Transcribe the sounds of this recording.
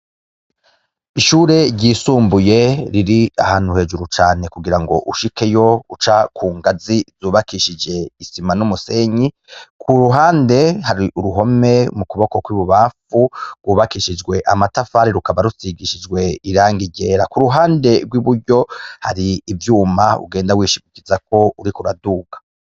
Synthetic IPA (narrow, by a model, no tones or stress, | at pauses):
iʃuːɾe̞ɾɟiːsuːmbuje̞ɾiɾiahaːn̥huhe̞ːd͡ʒuɾut͡ʃaːne̞kuɡiɾaŋɡo̞̰ʔuʃike̞jo̞ut͡ʃakʰuːŋɡazizuːβakiʃid͡ʒe̞isimanumuse̞ɲi | kʰuɾuɦaːnde̞haɾiʔuɾuɦo̞me̞mukuβo̞kokwiβuβafuɡwuːβakiʃid͡ʒɡwe̞ʔamatafaɾiɾukaβaɾusiɡiʃid͡ʒɡwe̞iɾaːŋɡiɟeːɾakuɾuɦaːnde̞ɡwiβuɾɟo̞haɾiːvjuːmaṵɡeːndawiːʃiikizak̚o̞uɾikuɾaduːɡḁ